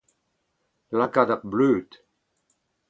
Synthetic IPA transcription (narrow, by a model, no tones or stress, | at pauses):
lakad̪abløːt̪